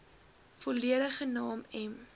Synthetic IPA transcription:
fɔliəɾəχənɑːmɛm

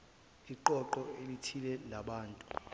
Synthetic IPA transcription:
iǃɔǃɔelitʰilɛlaɓaːntʼu̥

